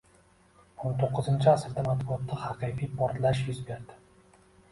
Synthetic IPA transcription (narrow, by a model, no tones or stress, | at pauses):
ont̪ʰoqʰːɨzɪnt͡ʃʰɪasɪɾd̪amat̪̚bʊɒt̪ːahɑqʰɨjfijpʰɒɾt̪laʃjʊzbeɾd̪ɪ̥